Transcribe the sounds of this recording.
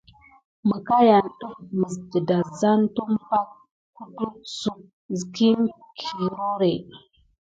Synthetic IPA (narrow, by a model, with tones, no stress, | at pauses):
mə˨ka˦ja˨nɗu˦fmə˨zdə˨da˨za˦ntu˦mpa˦t̚ | ku˦du˦su˨k̚ | zki˦nkʰi˨ɾo˦ɾe˨